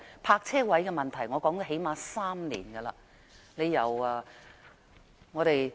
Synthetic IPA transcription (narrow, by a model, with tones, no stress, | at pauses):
pʰaː˧k̚t͡sʰɛː˥wɐ˨˥jkɛː˧mɐ˨˩nt̪ʰɐ˨˩jŋɔː˨˧kɔː˨˥ŋtɔ˧ɦe˨˥jmaː˧saː˥mnḭː˨˩nɡɐ˧lɐː˧ | ne˨˧jːɐ˨˩wɐː˧ | ŋɔː˨˧ɾe˨j